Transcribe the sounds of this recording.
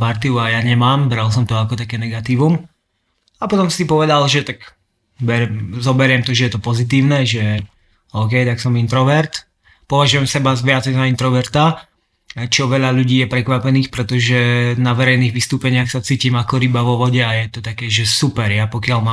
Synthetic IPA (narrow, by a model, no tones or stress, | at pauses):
paɾt̪iuajaɲɛmaːmbɾalˠsɔmt̪ɔakɔt̪akɛːnɛɡat̪iːʋum | apɔt̪ɔmsipɔʋɛd̪alʒɛt̪ak | bɛɾɛzɔbɛɾɪɛmt̪ɔʒɛjɛt̪ɔpɔzit̪̬iːʊnɛʒɛ | ɔːkɛjt̪aksɔmint̪ɾɔʋɛɾt̪ | pɔʋaʒujɛmsɛbazʋɪat͡sɛjzaint̪ɾɔʋɛɾt̪a | t͡ʃɔʋɛʎaʎuɟiːjɛpɾɛkʋapɛniːxpɾɛt̪ɔʒɛnaʋɛɾɛjniːɣʋist̪uːpɛɲɪaxsat͡siːciːmakɔɾibaʋɔʋɔɟɛajɛt̪ɔt̪akɛːʒɛsupɛɾjapɔkɪalmaː